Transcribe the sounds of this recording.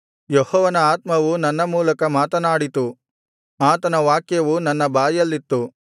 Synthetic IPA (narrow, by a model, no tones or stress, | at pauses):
jehɔːʋɐnɐaːt̪mɐʋunɐnːɐmuːlɐkɐmaːt̪ɐnaːɽit̪u | aːt̪ɐnɐʋaːkjɐʋunɐnːɐbʱaːjɐlːit̪ːu